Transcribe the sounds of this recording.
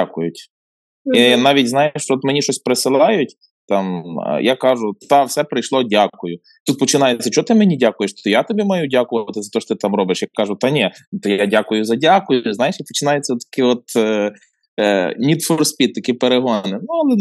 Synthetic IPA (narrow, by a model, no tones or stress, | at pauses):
akʊjʊtʲ | inɑʋʲitʲznɑjeʃt͡ʃɔɔt̪menʲiʃɔsʲpɾesɪlˠɑjʊtʲ | t̪ɑmjakɑʒʊt̪ɑwsɛpɾɪjʃlˠɔdʲakʊjʊ | t̪ut̪̚pɔt͡ʃɪnɑjet͡sʲːɐt͡ʃɔt̪ɪmenʲidʲakʊjeʃt̪ɔjat̪ɔbʲimɐjudʲakʊʋɐɐt̪ɪzɐt̪ɔʃɔt̪ɪt̪ɑmɾɔbɪʃjɐkkːɑʒʊt̪ɐnʲɛt̪ɔjadʲakʊjʊzɐdʲakʊjʊznɑjeʃjɐpɔ̥t͡ʃɪnɑjet͡sʲːɐt̪ːɐ̥kɪɔt̪ | nʲid̪fɔrspʲit̪ːɐkipeɾeɦɔnɪnuɐlˠɛ